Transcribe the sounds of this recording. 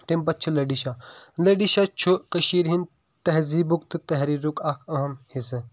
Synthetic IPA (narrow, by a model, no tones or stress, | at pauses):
t̪empɐt͡ʃʰulɐɖiʃalɐɖiʃat͡ʃʰukɐʃiːɾɦin | t̪ɐɦziːbukt̪ɨt̪ɐɦɾiːɾukakʰɐɦɐmhisɨ